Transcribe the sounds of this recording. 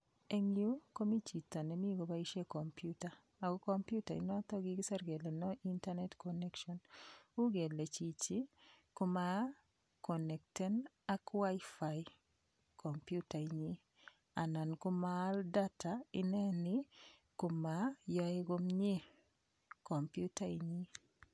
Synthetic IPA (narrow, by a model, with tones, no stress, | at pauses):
e˦ŋju˦ko˦mi˦t͡ʃi˨ta˨nɛ˨mi˦ɡo˨ba˦i˦ʃe˦ko˨mpjuta˨ | a˨ɡo˦ko˦mpju˦ta˨ḭ˦nɔ˦t̪ɔ˦ɡi˦ɡɪ˦sa˦rɡe˨lɛ˨nɔ˦ʔi˦nta˦nɛ˦tkonɛ˦kʃɔnu˦ɡe˨le˨t͡ʃi˨t͡ʃi˦ko˦ma˦ | kɔ˨nɛ˨k̚tɛ˦n | a˦kwa˦ɪfaj | kʰo˨mpju˦ta˨i˨ɲi˦ | a˨na˨nkʊ˦malda˦ta˨ɪ˦nɛ˦nɪ | ko˨ma˨jɔ˦e˦ɡo˦mɲɪ˦ | ko˨mpju˦ta˦i˨ɲi˦